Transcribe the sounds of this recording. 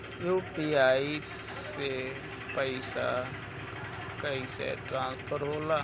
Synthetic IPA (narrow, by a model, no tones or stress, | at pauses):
juːpiaːi | e | pəɪsa̰ | kəisḛʈɾãːnspʰəɾɦoːlaː